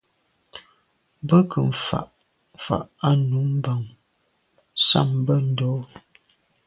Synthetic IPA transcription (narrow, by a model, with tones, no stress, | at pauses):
bə˦kʰə˨n̩˨fa̰˨ʔ | fa̰˨ʔa˦nu˨˦m̩˦ba˨ŋ | sa̰˦˨mbə˦n̩˦dɔ˨˦